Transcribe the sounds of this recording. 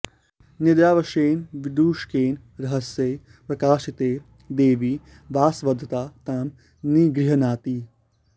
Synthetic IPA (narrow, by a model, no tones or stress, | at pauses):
nid̪jaːʋɐʃeːnʋid̪uːʃkeːn | ɾɐɦɐsjeː | pɾɐkaːʃit̪eː | d̪eːʋiː | ʋaːsʋɐd̪ʱːɐt̪aːt̪aːm | niːɡɾiɦɐnaːt̪iː